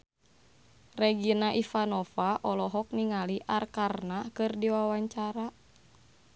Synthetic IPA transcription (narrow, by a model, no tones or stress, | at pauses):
rɛɡinaʔifanɔfaʔɔlɔɦɔk̚niŋaliʔarkarnakɨrdiwawaɲt͡ʃaɾa